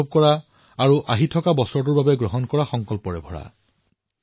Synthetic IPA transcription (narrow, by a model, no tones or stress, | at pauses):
ɔb̚kɔɹa | aɹuʔaɦitʰɔkabɔsɹɔt̬uɹbabɛɡɹɔɦɔnkɔɹaxɔŋkɔlpɔɹɛ̰bʱɔɹa̰